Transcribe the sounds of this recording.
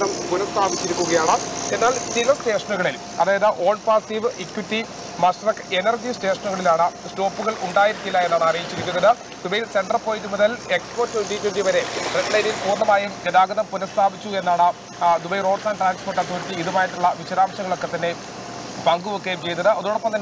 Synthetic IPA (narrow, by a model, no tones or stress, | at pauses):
ðɐmpunɐst̪ʰaːbit͡ɕːiɾikʲːuɣɐjaːɳɨenːaːɭsiɣɐste̞ːʂɐnuɣɐɭil | ɐ̰ðaːjɐðɨʔo̞ːɭpaːsiʋʔikwitːi | mɐsrɐkenɐrd͡ʑiste̞ːʂɐnuɣɐɭilaːɳɨsto̞ːpːuɣɐɭuɳɖaːjiɾikʲːilːɐe̞nːaːɳɨɐrijit͡ɕːiɾikʲːunːɐðɨ | d̪ubɐjilse̞ɳɖɐrpo̞ːjitːumuðɐlekspo̞ːrtːuɳɖijkʲːeɳɖiʋɐɾe̞reɖlɐjnilkuːrnːɐmaːjumɡɐd̪aːɡɐðɐmpunɐst̪ʰaːbit͡ɕːue̞nːaːɳɨ | d̪ubɐjro̞ːɖsaːnʈraːnsporʈːɐsoːtːiiðumaːjiʈːuɭːɐʋiɕɐɾaːmɕɐŋɐɭo̞kːe̞t̪ɐnːe̞ | pɐŋɡuʋokːe̞jmt͡ɕe̞jnːɐðɨɐðoːɽopːɐmt̪ɐnː